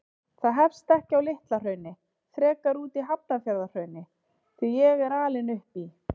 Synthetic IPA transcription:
θaðɦɛfst̪ɛhcɪawlɪht̪lar̥œːɥnɪ | θɾɛːkaɾuːt̪iɦap̚nafjaɾðar̥œɥnɪ | θijɛɣɛɾaːlɪnʏhpi

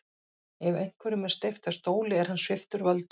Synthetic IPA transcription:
ɛvejŋ̥kʰvɛɾʏmɛ̥st̪ɪft̪ast̪oːwlɪɛɾ̥hanːsvɪft̪ʏɾvœlt̪

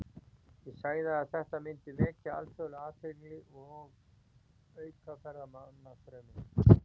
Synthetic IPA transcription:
jɛsaːjðaːðθɛht̪amɪnt̪ɪvɛːcaa̰lt̪ʰolaːt̪ɪɾlɪɔɣ | œɥkʰafɛɾamanːafɾɛmɪ

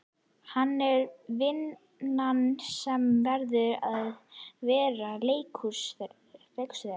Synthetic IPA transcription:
hanːɛɾvɪn | ansɛmvɛɾðʏɾaðvɛːɾaleːjkʰʏs | ɾejksɾɛ

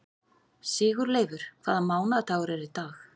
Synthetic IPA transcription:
sɪːɣʏɾleːjvʏɾ̥kʰv̥aːðamaːwnat̪ʰaːɣʏɾɛɾɪt̪aːx

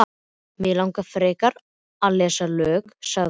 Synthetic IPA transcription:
mɪːlawŋkafɾɛːkaɾ | alɛːsalœːksa

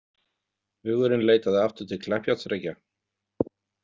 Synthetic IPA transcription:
vɪɣœɾʏmleːjt̪aðɪaft̪ʏ̥t̪ʰɪlkʰlɛhpjat̪sɾɛca

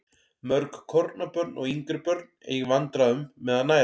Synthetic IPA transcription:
mœɾkkʰɔɾt̪napœɾt̪nʔɔɣiŋkɾʏpœɾt̪nḛjɣɪvant̪ɾaðʏmːɛːðanaːj

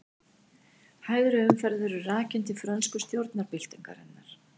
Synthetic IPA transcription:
haːjðʏɾʏʏmfɛɾðʏɾʏraːcɪnt̪ɪfɾœnskʏst̪jowɾt̪naɾpɪl̥t̪ɪŋka̰ɾɛnːaɾ̥

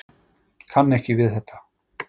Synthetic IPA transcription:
kʰanːɛhcɪvɪðθɛht̪ːḁ

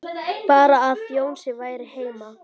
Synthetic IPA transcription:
paːɾaːðfjoːwnsɪvaːjɾɪheːjma

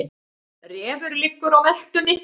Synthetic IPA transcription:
rɛːvʏɾlɪkːʏɾawvɛl̥t̪ʏnɪ

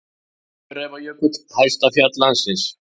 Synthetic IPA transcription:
ɾɛvajœkʏt̪hajst̪aθjat̪lansɪns

